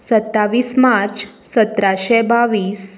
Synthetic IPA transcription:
sət̪ːaʋiːsmaɾt͡ɕ | sət̪ɾaɕɛbaʋiːs

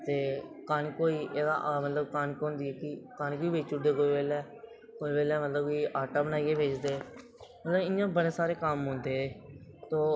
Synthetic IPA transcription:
t̪eːkaːnikoːiːʔeːd̪a̰ʔmət̪ləbkaːnikõːnd̪iːɛːkɪkaːniːkoːiːbeːt͡ʃʊɖeːkoːiʋeːlɛː | koːibeːlɛːmət̪ləbkiʔaːʈaːbənaːiːkeːbeːt͡ʃd̪eː | mət̪ləbɪjãːbəɽeːsaːɾeːkəmɦʊ̃ːnd̪eːeːt̪oː

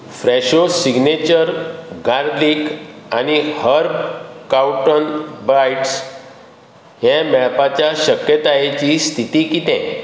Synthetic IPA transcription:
fɾɛɕosiɡnet͡ɕəɾɡaɾlikanihəɾbkawʈənbɾajʈs | ɦjɛ̃mɛpat͡ɕjaɕəkjət̪ajet͡ɕiːst̪ʰit̪ikit̪ɛ̃

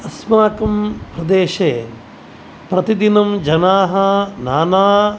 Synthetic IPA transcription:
ɐsmaːkɐmpɾɐd̪eːʃeː | pɾɐt̪id̪inɐmd͡ʒɐnaːɦɐnaːnaː

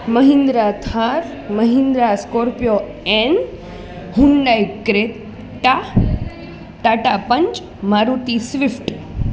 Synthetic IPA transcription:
mɐɦĩnd̪ɾat̪ʰaːɾ | mɐɦĩnd̪ɾaskoːɾpijo | ɛ̃n | hũnɖajkɾe | ʈa | ʈaːʈapɐ̃ɲt͡ʃ | maːɾuːt̪isʋɪfʈ

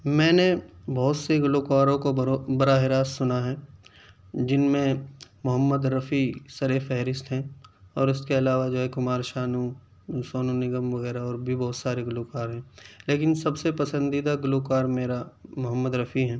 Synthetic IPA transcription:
mɛ̃ːnebɔɦːt̪seɡʊloːkaːɾõkobɐɾaːɦɪɾaːssʊnaɦɛː | d͡ʒɪnmẽmʊɦəmːəd̪ɾɐfisɐɾefɛɦɾɪst̪ɦɛ̃ɔːɾʊskeɐlaːʋad͡ʒoːɦɛkʊmaːɾʃaːnu | soːnunɪɡəmʋɐɣɛːɾaɔːɾbʱibɔɦːt̪saːɾeɡʊloːkaːɾɦɛ̃leːkɪnsɐbsepɐsə̃nd̪id̪aɡʊloːkaːɾmeːɾamʊɦəmːəd̪ɾɐfiɦɛ̃ː

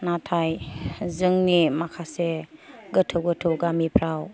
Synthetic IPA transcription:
natʰajzɯŋnimakʰaseɡətʰɯwɡɯtʰɯwɡamipʰɾaw

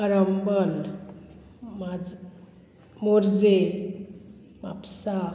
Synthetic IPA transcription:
aɾəmbəl | mad͡z | moɾd͡ze | ʋa̰psa

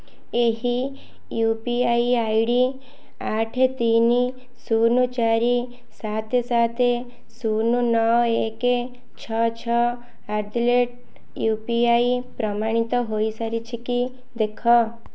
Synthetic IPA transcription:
eɦi | jupiajajɽi | aʈʰet̪ini | sunut͡ʃaɾi | sat̪ʰesat̪ʰe | sununɔweke | t͡ʃʰɔt͡ʃʰɔ | aɾd̪leʈ̚ | jupiaipɾɔmaɽ̃it̪ɔɦoisaɾit͡ʃʰiki | d̪ekʰɔ

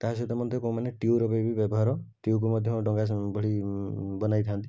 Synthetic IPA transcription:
kaɦas̬et̪ɔmɔd̪ʱjɔkoũmaneʈiuɾɔbebibjɔbɔɦaɾɔʈiuk̬umɔd̪ʱjɔɦʈɔŋɡabʱɔɽibɔnajt̪ʰant̪i

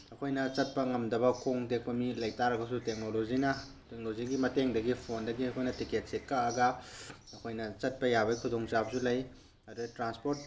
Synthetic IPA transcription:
ɐkʰojnɐt͡ʃɐt̚pɐŋɐmdɐbɐkʰoŋdek̚pɐmilɐjtaɾɐɡɐsutek̚nolozinɐ | tek̚noziɡimɐteŋdɐɡipʰondɐɡiɐkʰojnɐtiket̚sekːaɐɡɐ | ɐkʰojnɐt͡ʃɐt̚pɐjabɐjkʰudoŋt͡ʃap̚sulɐj | ɐdutɾanspoɾt̚

